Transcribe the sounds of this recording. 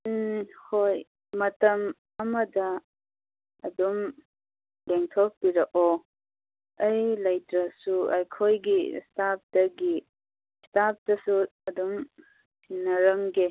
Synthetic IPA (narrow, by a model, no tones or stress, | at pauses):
hoj | mɐtɐm | ɐmɐdɐ | ɐdum | leŋtʰok̚piɾɐʔo | ɐjlɐjtɾɐsuɐ̰jkʰojɡistap̚dɐɡi | stap̚dɐsuɐdum | tʰinɐɾɐŋɡe